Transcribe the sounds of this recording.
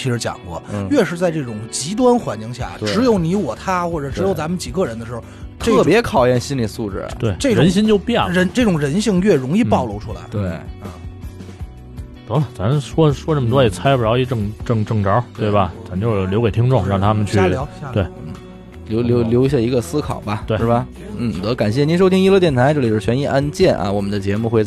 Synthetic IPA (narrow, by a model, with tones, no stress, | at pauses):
t͡ɕʰi˧˥ʂɻ̩˧˥t͡ɕjɑ̰˨˩ŋkwɔ̰˥˩˥ɥɛ˥˧ʂɻ̩˧t͡sa˥˧ɪʈ͡ʂɤ˥˩ʈ͡ʂʊ˨˩ŋt͡ɕi˧˥t̪̬wa˥nxwa˧˥nt͡ɕi˥˧ŋɕja̰˥˩ʈ͡ʂɻ̩˧˥jo˧˥ʊni˧˥wɔ˨˩t̪ʰa˥xwɔ˥˩ʈ͡ʂɤ˨˩ʈ͡ʂɻ̩˧˥jo˧˥ʊt͡sa˧˥mə˨nt͡ɕi˨˩ɡə˥˧ɻə˧˥nd̪ə˧ʂɻ̩˧˥xt̪ʈ͡ʂɤ˥˩pjɛ˧˥kʰɑ˨˩ʊjɛ˥˩nɕi˥nli˨˩su˥˧ʈ͡ʂɻ̩̰˥˩t̪we˥˩ɪʈ͡ʂe˥˩ɪɻə˧˥nɕi˥nt͡ɕjo˥˧ʊpjɛ˥˩nɻə˧˥nʈ͡ʂɤ˥˩ʈ͡ʂʊ˨˩ŋɻə˧˥nɕi˥˧ŋɥɛ˥˩ɻʊ˧˥ŋi˥˧pɑ˥˩ʊlo˧˥ʊʈ͡ʂʰu˥la̰˧˥ɪe˥˩ə˧˩ | t̪ɤ˧˥lɐ˨˩t͡sa˧˥nʂwɔ˥ʂwɔ˥ʈ͡ʂə˥˩mə˩t̪wɔ˥˩i˨˩t͡sʰa˥ɪu˨˩jɑ˥i˥ʈ͡ʂɤ˥˩ŋʈ͡ʂɤ˥˧ŋʈ͡ʂɤ˥˩ŋʈ͡ʂɑ˧˥t̪we˥˩ɪbɐ˩t͡sa˧˥nt͡ɕjo˥˧ʊ˩ljke˨˩t̪ʰi˥ŋʈ͡ʂʊ˥˩ŋɻɑ˥˩ŋt̪ʰa˥mə˨nt͡ɕʰy˥˩˧t̪we˥˩ɪn̩˥˩ | ljo˧˥ʊljo˧˥ʊljo˧˥i˧ɕ̬ja˥˩i˧˥ɡə˧sɹ̩˥kʰɑ̰˨˩ʊbɐ˦ʂwe˥˩ɻ̩˥˩bɐ˩ | n̩˥˩˨t̪ɤ˧˥ka˨˩nɕ̬jɛ˥˩ni˧˥nʂ̬o˥ʊt̪ʰi˥ŋi˥lɤ˥˧t̪jɛ˥˩nt̪ʰa˧˥ɪʈ͡ʂɤ˥˩i˨˩˥ɥɛ˧˥ni˥˩ʔa˥nt͡ɕjɛ˥˩nʔɐ̰˧wɔ˨˩mə˦nd̪ə˧t͡ɕjɛ˧˥mu˥˧xwe˥˧